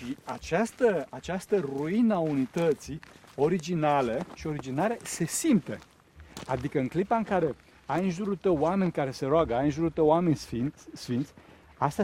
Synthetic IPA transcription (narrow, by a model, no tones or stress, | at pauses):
ʃiat͡ʃast̪əat͡ʃast̪əruinəaunit̪ət̪sio̞ɾid͡ʒinaləʃio̞ɾid͡ʒinalese̞simt̪e̞̰ | ad̪ikəɨŋklipaɨŋkaɾe̞ | ajɨnʒuɾult̪əwame̞nʲkaɾe̞se̞ɾoaɡəajɨnʒuɾult̪əwame̞nʲsfint̪ʲsfint̪sʲ | ast̪a